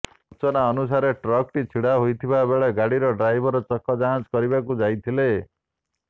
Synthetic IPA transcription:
ut͡ʃɔnaɔnus̬aɾeʈɾɔkʈit͡ʃʰiɽaɦojt̪ʰiβabeɭaɡaɽiɾɔɖɾajbʱɔɾɔt͡ʃɔkʰːɔd͡ʒaɦãd͡ʒkɔɾibakud͡ʒajt̪ʰile

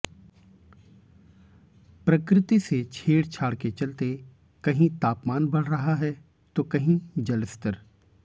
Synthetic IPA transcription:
pɾɐkɾɪt̪iset͡ʃʰeːɽt͡ʃʰaːɽket͡ʃɐlt̪e | kɐɦĩt̪aːpmaːnbɐɽ̤ɾɐɦaɦɛ | t̪okɐɦĩd͡ʒɐlɪst̪əɾ

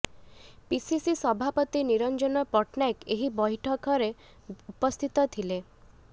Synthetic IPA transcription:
pisisisɔbʱapɔt̪iniɾɔnd͡ʒɔnɔpɔʈnakeɦibɔjʈʰɔkɔɾe | upɔst̪ʰit̪ɔt̪ʰile

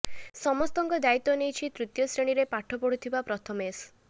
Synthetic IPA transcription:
sɔmɔst̪ɔŋkɔd̪ait̪ɔnejt͡ʃʰit̪ɾut̪jɔsɾeɽ̃iɾepaʈʰɔpɔɽ̤ut̪ʰibapɾɔt̪ʰɔmes

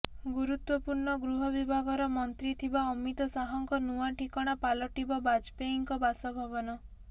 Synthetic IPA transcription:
ɡuɾut̪wɔpuɾɳɔɡɾuɦɔbibʱaɡɔɾɔmɔnt̪ɾit̪ʰibaɔmit̪ɔsaɦɔŋkɔnuaʈʰikɔɽ̃apalɔʈibɔbad͡ʒpeiŋkɔbasɔbʱabɔnɔ

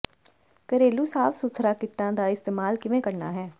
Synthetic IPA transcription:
kəɾeːluːsaːfsʊt̪ʰɾaːkɪʈːãːd̪aːɪst̪eːmaːlkɪʋẽːkəɾna̰ːɦɛː

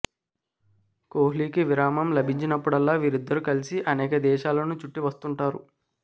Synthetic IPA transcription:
koːɦliːkiʋiɾaːmɐmlɐbʱiɲt͡ʃinɐpːuɽɐlːaːʋiːɾid̪ːɐɾukɐlisiʔɐnɛːkɐd̪ɛːʃaːlɐnuːt͡ʃuʈːiʋɐst̪uɳʈaːɾṵ

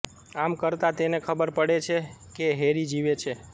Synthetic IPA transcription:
amkəɾt̪at̪enekʰəbəɾpəɽet͡ʃʰekeɦeɾid͡ʒiʋet͡ʃʰe

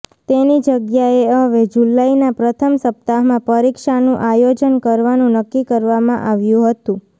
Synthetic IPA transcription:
t̪enid͡ʒəɡjaeəɦʋed͡ʒulainapɾət̪ʰəmsəp̚t̪aɦmãpəɾikʃanũʔajod͡ʒənkəɾʋanũnəkːikəɾʋamãʔaʋjũɦət̪ũ

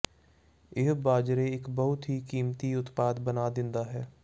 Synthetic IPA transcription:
ɪɦbaːd͡ʒɾeɪkbəɦʊt̪ɦikiːmt̪iʊt̪paːd̪bənaːd̪ɪ̃nd̪aɦɛː

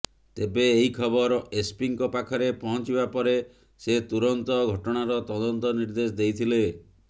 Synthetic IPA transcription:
t̪ebeːɦikʰɔbɔɾespiŋkɔpakʰɔɾepɔɦɔt͡ʃibapɔɾe | set̪uɾɔnt̪ɔɡʱɔʈɔɽ̃aɾɔt̪ɔd̪ɔnt̪ɔniɾd̪es̬ɔd̪ejt̪ʰile

